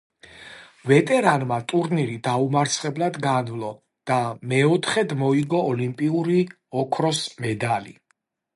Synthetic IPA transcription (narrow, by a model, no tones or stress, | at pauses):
vɛt̪ʼɛɾanmat̪ʼuɾniɾid̪aumaɾt̪sʰχɛblˠad̪ɡanvlˠɔ | d̪̥amɛɔt̪ʰχɛd̪mɔiɡɔːlimpʼiuɾi | ɔkʰɾɔsmɛd̪alḭ